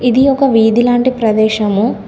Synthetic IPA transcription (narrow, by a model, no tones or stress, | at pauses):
id̪iɔkɐʋiːd̪ilaːɳʈipɾɐd̪ɛːʃɐmu